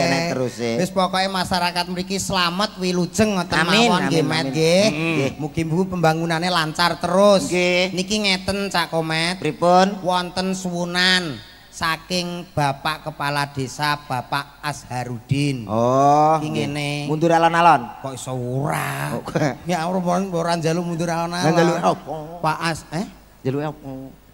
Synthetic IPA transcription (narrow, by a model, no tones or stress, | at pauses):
et̪əɾʊsbɪspɔkɔʔimaʃaɾakat̪̚məɾikislamət̪̚wilud̥ʒ̥ə̤ŋːɔt̪əamamiwɔnɡemɛt̪ɡemuɡ̥imbupəmbaŋunanelaɲt͡ʃart̪əɾʊskenikiŋɛt̪ənt͡ʃaʔkomɛt̪̚ɾipʊnwɔnt̪ənswunan | sakɪŋb̥a̤paʔkəpalad̪̥e̤sab̥a̤paʔːshaɾud̪̥ɪnɔkiŋenemund̪ʊɾalɔnalɔnkɔʔisəwuɾa̰kŋaɾmoɾboɾaɲd͡ʒalʊmunt̪ʊɾalɔnaald͡ʒalueɔpaʔasɛ | d͡ʒaleɔkɔ